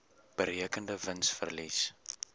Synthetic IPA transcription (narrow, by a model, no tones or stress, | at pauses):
b̥əɾiəkəndəvənsfə̰rlis